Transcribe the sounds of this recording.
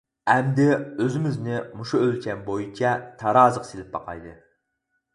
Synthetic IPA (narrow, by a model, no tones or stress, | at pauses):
æmd̪ɪøzɪmɪznɪmʊʃʊølkʲʰɛnbojit͡ʃʰɛt̪ʰɑɾɑːzəqselɪp̚bɑ̰qʰɑ̰jd̪ɨ